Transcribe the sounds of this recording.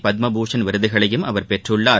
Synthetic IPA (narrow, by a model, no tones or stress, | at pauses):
pɐd̪̚mɐbuːʂɐnʋɪɾɯðɯɣɐɭɐjɯmʔɐʋɐɾpɛʈrɯɭːaː